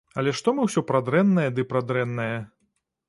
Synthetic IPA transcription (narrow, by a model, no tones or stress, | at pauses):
ɐlʲɛʂt̪ɔmɨwsʲɔpɾad̪ɾɛnːɐjɐd̪ɨpɾad̪ɾɛnːɐjɐ